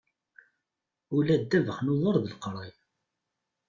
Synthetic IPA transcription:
ulæd̪ːævəχnoðˤəɾˤðəlqɾˤi

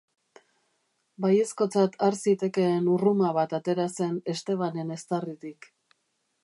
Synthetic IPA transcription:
baje̞sko̞t͡sat̪ʰaɾsit̪e̞ke̞ːnurumaβat̪at̪e̞ɾase̞ne̞st̪e̞β̞ane̞ne̞st̪arit̪ik

